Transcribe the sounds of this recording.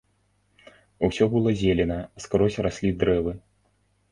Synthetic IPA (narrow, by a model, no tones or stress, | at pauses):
usʲɔbɨlˠɔzʲelʲɛnɐskɾɔsʲrasʲlʲid̪ɾɛvɨ